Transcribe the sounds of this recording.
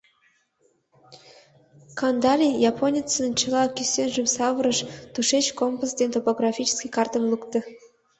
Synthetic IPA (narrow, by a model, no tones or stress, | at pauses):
kɑnd̪ɑlʲijɑpʰonʲit͡sənt͡ɕʰəlˠɑkʲysʲenʒə̆msɑvəɾəʃt̪uʃet͡ɕkompusd̪ʲenʲt̪opoɡrɑfʲit͡ɕɪ̥skʲijkɑrt̪əmlˠukt̪ə̆